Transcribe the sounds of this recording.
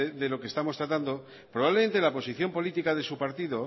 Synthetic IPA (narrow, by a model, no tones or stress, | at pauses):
eðe̞lo̞kest̪amo̞st̪ɾat̪and̪o | pɾo̞βaβlement̪e̞lapo̞siθjo̞mpo̞lit̪ikaðe̞supaɾt̪iðo̞